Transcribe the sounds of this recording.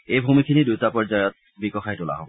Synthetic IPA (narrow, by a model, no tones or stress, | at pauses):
ejbʱumikʰinid̪ut̪apɔɹd͡ʑajɔt̪̚ | bikɔxʰajtola̰ɦɔbɔ